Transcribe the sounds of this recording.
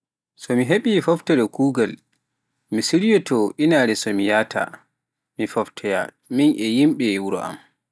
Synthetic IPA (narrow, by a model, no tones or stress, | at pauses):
sɔmiɦeɓifɔftɛɗɔkuːɡal | misiɾijɔtɔʔinaɾɛsɔmijaːtʰa̰ | mifɔftʰɛja̰ | minʔɛjimɓɛwuɾɔ̰ʔa̰m